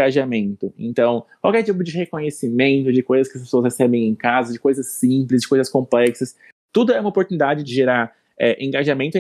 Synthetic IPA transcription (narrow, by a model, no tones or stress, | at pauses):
aʒamẽnt̪ʊḛ̃nt̪ɐ̃w̃kwawkɛɾt͡ʃipʊd͡ʒɪɦekõɲesimẽnt̪ʊd͡ʒɪkojzɐskɪɐs̬pe̥soɐshesɛbẽj̃ẽkazɐd͡ʒɪkojzɐsĩplɪzd͡ʒɪkojzɐskõplɛksɐs | t̪ud̪ʊɛũmɐopoɾt̪unid̪ad͡ʒɪd͡ʒɪʒeɾaɾ | ɛʔẽŋɡaʒamẽnt̪ʊɛ